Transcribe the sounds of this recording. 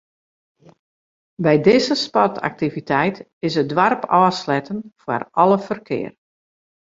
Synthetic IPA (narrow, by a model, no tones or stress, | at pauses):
bɛjdɪzəspɔtʰa̰k̚tivitʰɛjt | ɪsədwarpɔːslɛtənfwa̰rɔləfərkʰɪ̰ːər